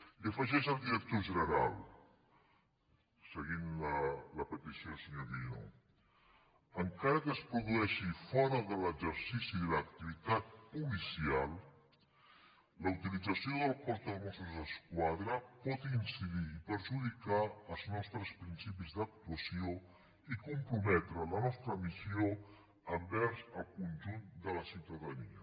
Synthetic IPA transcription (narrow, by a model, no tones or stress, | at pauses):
iəfəʒɛʒəlˠd̪iɾək̚t̪oʒənəɾa̰l | səɣinlələpət̪isjosəɲoɾβino̰ | əŋkaɾəkəspɾuðuɛʃifɔɾəðələd͡ʒəɾsisilək̚t̪iβit̪at̪̚pulisialˠ | ləut̪ilid͡zəsioðəlˠkɔɾt̪əlmɔsuzəskwaðɾəpɔt̪insiðiːpəɾʒuðikaəlˠznɔst̪ɾəspɾinsipizd̪ək̚t̪uəsio | ikumpɾumɛt̪ɾələnɔst̪ɾəmizio | əmbɛɾzəlˠkunʲʒund̪ələsiwt̪əðənḭə̰